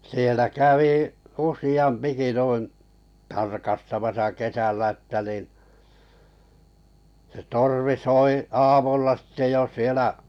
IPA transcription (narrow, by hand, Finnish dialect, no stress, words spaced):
sielæ kæʋiˑ usij̆ɑmpiki nuin̞ tɑrkɑstɑmɑsɑ kesælːæ ə̆tːæ nin̞ se torʋi soi ɑːmulːɑ sĭtːe jo sielæ